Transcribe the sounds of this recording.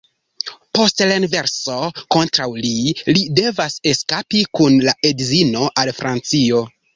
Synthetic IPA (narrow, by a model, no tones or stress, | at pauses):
po̞stlainve̞ɾso̞ko̞ntɾawlilide̞vase̞skapikunlaʔedzino̞ʔalfɾʔant͡sio̞